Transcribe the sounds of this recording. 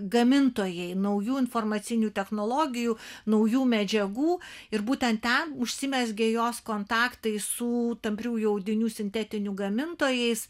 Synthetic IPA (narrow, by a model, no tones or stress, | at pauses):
ɡɐmʲɪnt̪oːjɛɪnɐʊjuːɪnfoːrmɐt̪sʲɪnʲut̪ʲɛxnoːlˠoːɡʲɪjuːnɐʊjuːmʲɛd͡ʒʲɛɡuːɪɾbuːt̪ʲɛnt̪tʲɛnʊʃʲsʲɪmʲɛsɡʲejoːskoːnt̪ɑːkt̪ɐɪsʊt̪ɐmʲpʲrʲuːjɛʊd̪ʲɪnʲuːsʲɪnʲt̪ʲɛt̪ʲɪnʲuɡɐmʲɪnt̪oːjɛɪs